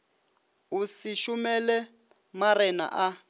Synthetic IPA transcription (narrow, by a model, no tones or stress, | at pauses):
usiʃumɛlɛ | maɾɛna̰ʔa